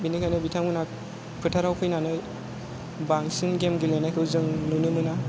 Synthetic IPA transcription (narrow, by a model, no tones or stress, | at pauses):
binikʰajnɯbitʰamɯna | pʰɯtʰaɾawpʰɯjnanɯj | baŋsinɡemɡilenajkʰɯwzɯŋnunɯnɯna